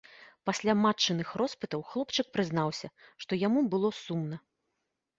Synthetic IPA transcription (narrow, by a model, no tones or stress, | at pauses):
pasʲlʲamat͡ʂːɨnɨxrɔspɨt̪ɐwxlˠɔpt͡ʂɨk̚pɾɨzn̪awsʲɐʂt̪ɔjamubɨlˠɔsumnɐ